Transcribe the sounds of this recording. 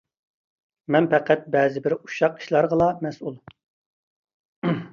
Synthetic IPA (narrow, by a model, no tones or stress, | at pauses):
mɛnpɛqʰæt̪̚bɛːzɪbɪɾu̥ʃɑqi̥ʃlˠɑɾʁəlˠɑmɛsulˠ